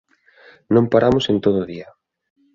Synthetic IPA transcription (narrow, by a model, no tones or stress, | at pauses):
nõmpaɾamʊsent̪oðʊːðiɐ